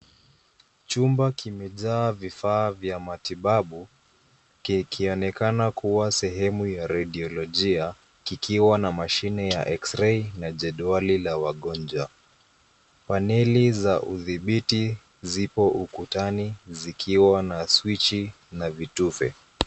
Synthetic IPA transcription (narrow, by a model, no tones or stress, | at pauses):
t͡ʃumbakimɛʄaːvifaːvjamatiɓaɓu | kikʰiɔnɛkanakuwasɛɦɛmujaɾaɗiɔlɔʄia | kikʰiwanamaʃinɛja̰ʔɛksɾɛinaʄɛɗualilawaɠɔnd͡ʒwa | panɛlizaʔuðiɓiti | zipɔʔukutanizikʰiwanaswit͡ʃi | navitufɛ̰